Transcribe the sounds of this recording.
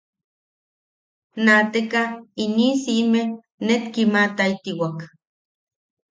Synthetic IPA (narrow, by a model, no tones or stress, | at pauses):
nat̪ekainisime | net̪kimat̪ait̪iwak